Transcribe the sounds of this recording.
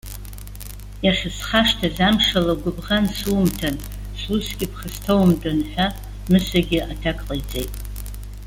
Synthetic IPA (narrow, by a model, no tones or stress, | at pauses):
jaχʲɪsχaʂtʰazamʂalaɡʷʊbʁansuːmtʰan | susɡʲɪpʰχəstʰowmdanħʷᶣa | mɨsaɡʲɪʔatʰakʼqʼajt͡sʼejtʼ